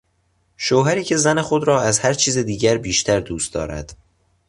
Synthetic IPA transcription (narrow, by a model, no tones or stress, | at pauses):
ʃoːɦæɾiːcʰe̞zæne̞xo̞d̪ɾɒːæzhæɾt͡ʃʰiːzed̪iːɟæɾbiːʃt̪ʰæɾd̪uːst̪d̪ɒ̰ːɾæ̰d̪̥